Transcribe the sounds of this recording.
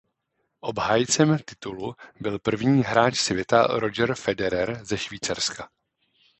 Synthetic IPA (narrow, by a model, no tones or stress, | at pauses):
ʔo̞bɦaːjt͡sɛmt̪ɪt̪ulubɪlpr̩vɲiːɦɾaːt͡ʃsvjɛt̪a̰ɾo̞d͡ʒɛɾfɛdɛɾɛɾzɛʃviːt͡saɾska